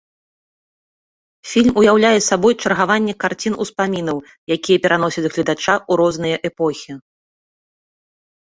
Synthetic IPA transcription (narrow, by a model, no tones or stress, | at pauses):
fʲilʲmujawlʲajɛsabɔjt͡ʂɐrɣavanʲːɛkart͡sʲinuspamʲinɐw | jakʲijɐpʲɛɾan̪ɔsʲɐt͡sʲɣlʲid̪at͡ʂaʔuɾɔzn̪ɨjɐʔɛpɔxʲi